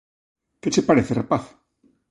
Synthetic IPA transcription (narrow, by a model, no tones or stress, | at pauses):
ket͡ʃepaɾeθerapaθ